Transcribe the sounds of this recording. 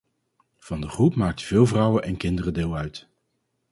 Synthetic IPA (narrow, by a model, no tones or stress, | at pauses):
v̥ɑndəχrupmaːk̚təv̥ɪːlˠvrʌwənʔɛnkɪndərədɪːlˠœɥt